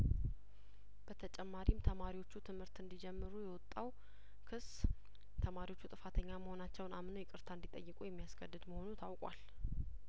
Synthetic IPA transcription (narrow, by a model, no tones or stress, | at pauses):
b̥ət̪ʰət͡ʃʼɛmːaɾimt̪ʰəmaɾiwo̞t͡ʃːut̪ʰɨmhɨɾt̪ɨnd̪id͡ʒɛmːɨɾujɛwɔt̪ʼːaw | kʰɨs | t̪ʰəmaɾiwo̞t͡ʃːut̪ʼɨfat̪ʰəɲːaməho̞nat͡ʃːɛwnamnəwjɛkʼɨɾt̪ʰaɨnd̪it̪ʼəjːɨkʼujɛmːijasɡəd̪ːɨd̪məho̞nut̪ʰawkʼwa̰l